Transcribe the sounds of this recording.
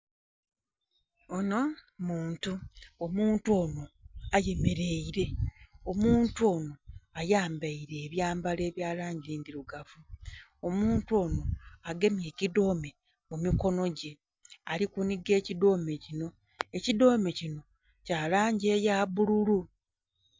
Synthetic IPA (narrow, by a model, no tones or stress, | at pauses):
ono̞muːntuomuːntuoːno̞aje̞me̞ɾe̞iɾe̞o̞muːntuo̞ːno̞ajaːmbaiɾe̞ːβjaːmbale̞ːβjaːlaːɲɟiːndiɾuɡavuomuːntuo̞ːno̞aɡe̞mje̞ːcido̞ːme̞ | mumiko̞no̞ɟe̞ | alikuniɡe̞ːcido̞ːme̞cino̞ | e̞cido̞ːme̞cino̞ | caːlaːɲɟe̞ːjaːβululu